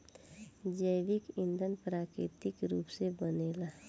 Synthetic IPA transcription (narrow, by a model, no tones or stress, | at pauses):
d͡ʒəjʋikind̪ʱənpɾaːkɾḭt̪ikɾuːpsebənela